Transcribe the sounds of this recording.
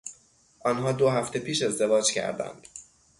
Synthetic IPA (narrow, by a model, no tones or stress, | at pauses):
ʔɒːnɦɒːd̪oɦæft̪e̞pʰiːʃe̞zd̪e̞vɒːd͡ʒcʰæ̰ɾd̪æ̰nd̪̥